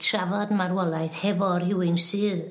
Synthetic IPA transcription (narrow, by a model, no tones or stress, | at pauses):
tʰravɔdmarwɔlˠajðhɛvɔrhɪwɪnsɨːð